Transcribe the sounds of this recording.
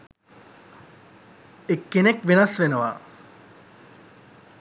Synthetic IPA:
ekːenekʋenɐsʋenəʋaː

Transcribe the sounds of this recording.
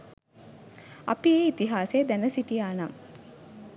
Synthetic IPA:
a̰pieːit̪iɦaːsejd̪ænəsiʈijaːnam

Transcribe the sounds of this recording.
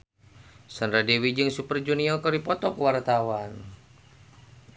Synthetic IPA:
sanɾadɛwid͡ʒɨŋsupərd͡ʒuniakɔɾipɔt̪ɔkwart̪awan

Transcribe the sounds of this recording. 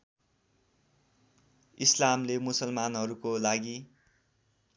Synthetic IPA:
islamlemusʌlmanɦʌɾukolaɡi

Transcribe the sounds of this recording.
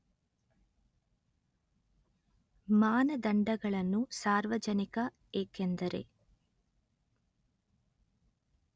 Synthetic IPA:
maːnɐd̪ɐɳɖɐɡɐɭɐnːusaːɾʋɐd͡ʒɐnikɐ | eːkend̪ɐɾe̞̰

